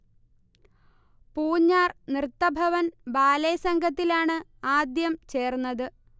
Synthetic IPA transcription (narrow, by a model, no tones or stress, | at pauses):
puːɲːaːrnrɨt̪ːɐbʱɐʋɐnbaːlɐjsɐŋɡʱɐt̪ːilaːɳɨaːd̪jɐmt͡ɕe̞ːrunːɐðɨ